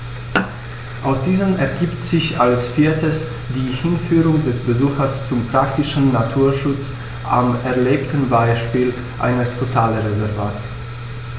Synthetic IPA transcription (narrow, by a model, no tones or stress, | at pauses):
ʔaʊsd̥iːzəmɛɐɡiːptz̥ɪçalsfiːɐtəs | d̥iːhɪnfyːʁʊŋdɛsb̥əzuːxɐst͡sʊmpʁ̥aktɪʃn̩natʰuːɐʃʊt͡s | ʔamɛɐleːptn̩baɪʃpiːl | ʔa̰ɪnəstʰotʰaːləʁezɛɐvaːts